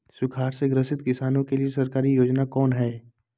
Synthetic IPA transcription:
sʊkʰaːɾseɡɾəsɪt̪kɪsaːnõkeliesɐɾkaːɾijoːd͡ʒnakɔːnɦɛː

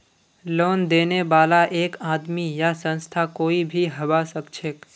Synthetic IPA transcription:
loːnd̪eːneʋaːlaʔeːkaːd̪mijasə̃nst̪ʰakoːibʱiɦəʋasəkt͡ʃʰeːk

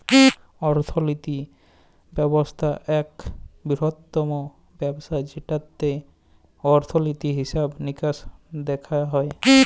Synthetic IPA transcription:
ɔɾt̪ʰolit̪i | bɛbost̪ʰaʔɛkbiɾɔt̪ːɔmo | bɛbsajd͡ʑʱiʈat̪ːe | ɔɾt̪ʰolit̪iɦisabnikasd̪ɛkʰaɦɔe

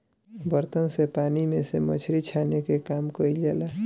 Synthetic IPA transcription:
bəɾt̪ənsepaːnimẽsemət͡ʃʰɾit͡ʃʰanekekaːmkəid͡ʒɛla

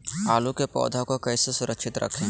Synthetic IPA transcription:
aːlukepɔ̰ːd̪ʱakokɛːsesʊɾəkʃɪt̪ɾə̰kʰẽ

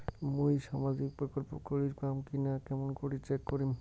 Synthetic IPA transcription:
mojʃamad͡ʑik̚pɾokolpokoɾiɾkamkinakɛmonkoɾit͡ɕekːoɾim

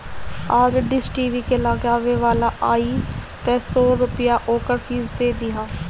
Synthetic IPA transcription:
ad͡ʒɖɪsʈiːʋiːkeːlaːɡaːʋeːʋaːlaːʔaːiːt̪ɛːsoːɾʊpɪjaːʔoːkəɾpʰiːzd̪eːd̪ɪɦaː

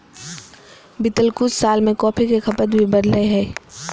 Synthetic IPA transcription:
bɪt̪əlkʊssaːlmẽkɔːpʰikexʰɐpət̪bʱibɐd̪leɦɛː

